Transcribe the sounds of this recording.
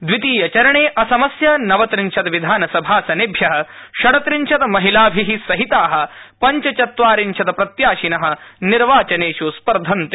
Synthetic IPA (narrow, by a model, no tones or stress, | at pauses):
d̪ʋit̪iːjɐt͡ʃɐɾɐɳeːʔɐsɐmɐsjɐnɐʋɐt̪ɾiɲt͡ʃʰɐt̪ɐʋid̪ʱaːnɐsɐbʱaːsɐnibʱjɐɦɐ̆ʃɐɽɐt̪ɾiɲt͡ʃʰɐt̪ɐmɐɦilaːbʱiɦisɐɦit̪aːɦɐ̆pɐɲt͡ʃɐt͡ʃɐt̪ʋaːɾiɲt͡ʃʰɐt̪ɐpɾɐt̪jaːʃinɐɦɐ̆niɾʋaːt͡ʃɐneːʃuspɐɾd̪ʱɐnt̪